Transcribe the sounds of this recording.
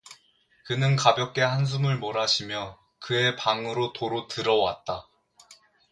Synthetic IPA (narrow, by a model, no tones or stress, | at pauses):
kɯnɯnkabjʌk͈̚e̞hans̬ʰumɯɭmoɾaɕʰimjʌ | kɯe̞paŋɯɾotoɾotɯɾʌwa̰t̚t͈a